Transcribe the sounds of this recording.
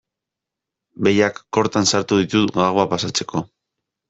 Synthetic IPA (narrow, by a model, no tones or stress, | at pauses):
be̞jakːo̞ɾt̪ansaɾt̪uðit̪uɣaɣoapasat͡se̞̥kʰo̞